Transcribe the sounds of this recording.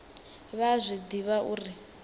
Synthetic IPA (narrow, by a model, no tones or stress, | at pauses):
βazʷid̪iβaʔuːri